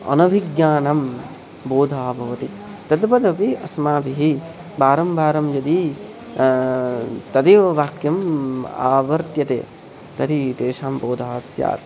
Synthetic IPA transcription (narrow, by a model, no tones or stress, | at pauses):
ɐ̰nɐʋʱiɡjaːnɐm | boːd̪ʱaːbʱɐʋɐt̪i | t̪ɐd̪bɐd̪ʱɐpiɐsmaːbiɦi | baːɾɐmbaːɾɐmjɐd̪i | t̪ɐd̪iʋɐʋaːkjɐma̰ːʋɐɾt̪jɐt̪ḛː | t̪ɐɾit̪eːʂaːmboːd̪ʱaːsja̰ːt̪̚